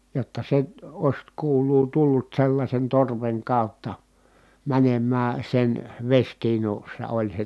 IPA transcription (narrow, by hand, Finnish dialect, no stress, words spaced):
jotːɑ se oĭs kuːlˑuː tulːut selːɑsʲen torʋeŋ kɑˑu̞tːɑ mænemːæː sen ʋesʲtiːnusːɑ olʲ se